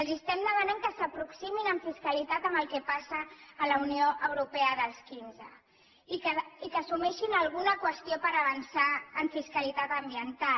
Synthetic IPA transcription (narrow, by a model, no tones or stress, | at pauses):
əlˠzist̪ɛmd̪əmanaŋkəsəpɾuksiminəɱfiskəlit̪at̪əmbəlˠkɛpasəːləunioʔəwɾupɛəðəlˠskinzə | ikəsumɛʃinəlˠɣ̞unəkwəst̪iopəɾəβənsaəɱfiskəlit̪at̪əmbiənt̪a